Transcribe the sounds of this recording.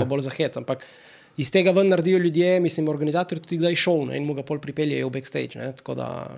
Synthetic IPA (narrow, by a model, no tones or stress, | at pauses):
abɔlzaxɛt̪sampak | ist̪ɛɡavənːɐɾd̪ijolʲjud̪jɛmislimoɾɡanizat̪oɾit̪u̥t̪iɡd̪ajʃɔwnɛ̰inmuɡapɔlʲpɾipɛljɛɛubɛkst̪ḛjt͡ʃnɛ̰t̪ko̰d̪a̰